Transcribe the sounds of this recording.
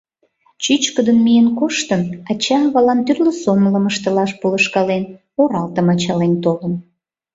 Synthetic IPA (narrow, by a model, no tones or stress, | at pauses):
t͡ɕyt͡ɕkəd̪ənmijənkoʃt̪əmɑt͡ɕɑβɑlɑnt̪yrləsomləməʃt̪əlɑʃpoləʃkɑlen | oɾɑlt̪əmɑt͡ɕɑlent̪olən